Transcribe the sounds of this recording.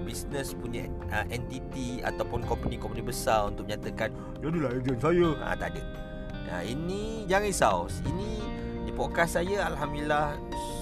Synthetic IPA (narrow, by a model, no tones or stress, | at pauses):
bisnə̃spuɲa | əʔɛnt̪it̪ia̰t̪awpʊnkɔmpənikɔmpənibəsaɾunt̪ʊk̚məɲat̪akan | d͡ʒadilaɛd͡ʒansajaã̰t̪adə̰ | a̰inĩ | d͡ʒaŋaisausḭnĩ | dipokasajaalɦamilah